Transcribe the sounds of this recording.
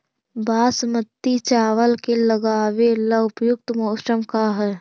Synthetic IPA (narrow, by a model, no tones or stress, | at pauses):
baːsmət̪ːit͡ʃaːʋəlkeləɡaːʋeləʊpjʊk̚t̪mɔːʃɾəmkaɦɛː